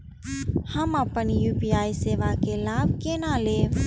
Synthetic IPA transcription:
həməpənjuːpiaːiseːʋakelabʱkenale

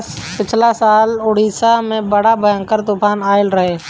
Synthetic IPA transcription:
spɪt͡ʃʰlasaːlʊɽ̤iːsamẽbəɽabʱəjə̃ŋkəɾt̪uːpʰaːnaːɪlɾɐɦeː

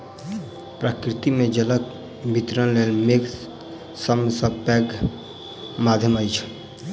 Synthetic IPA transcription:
pɾakɾɪt̪imẽd͡ʒələk̚ | bʱit̪ɾənleːlmek | səmsəpɛːɡ | maːd̪ʱjəmajt͡ʃʰ

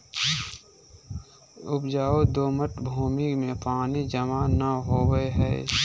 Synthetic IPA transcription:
ʊpd͡ʒaːod̪oːməʈbʱuːmɪkmẽpaːnid͡ʒəmanəɦoːwəeɦɛ̰ː

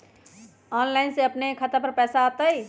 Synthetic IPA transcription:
ɔnlaɪnseəpnekʰət̪apəɾpɛːsaot̪əj

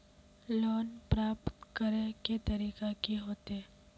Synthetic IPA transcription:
loːnpɾaːpt̪kəɾẽket̪ɐɾiːkakiɦoːt̪ɛː

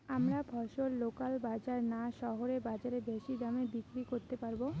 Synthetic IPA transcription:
amɾabʱɔʃollokalbad͡ʑaɾnaʃɔɦoɾebad͡ʑaɾebeʃid̪amebikɾikoɾt̪epaɾbo

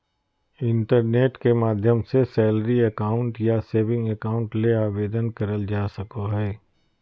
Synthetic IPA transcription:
ɪ̃ɳʈəɾneːʈkemaːd̪ʱjəmsesɛːləɾiɐkaːʊ̃ɳʈjaseːʋɪ̃ŋɡəkaːʊ̃ɳʈleaːʋeːd̪ənkɐɾəld͡ʒaːsɐkoɦɛː

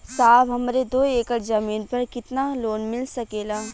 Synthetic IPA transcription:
saːbɦɐmɾed̪oːeːkəɾzɐmiːnpɐɾkɪt̪naloːnmɪlsɐkeːlaː

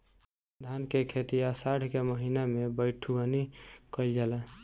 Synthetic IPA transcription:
d̪ʱankekʰet̪ijasaɽʰʱkeməɦinamebəɪʈʰuənikəld͡ʒalɛ

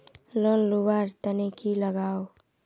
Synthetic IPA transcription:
lonlubaɾt̪ənekiləɡao

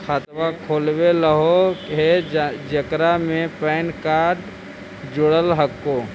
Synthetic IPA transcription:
kʰat̪wakʰoːlweləɦoɦed͡ʒəkɾamẽpɛːnkaːɾɖ | d͡ʒʊɽəlɦəkːoː

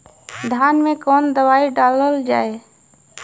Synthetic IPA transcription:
d̪ʱjaːnmẽkɔːnd̪əʋaːiɖaːləld͡ʒaːeː

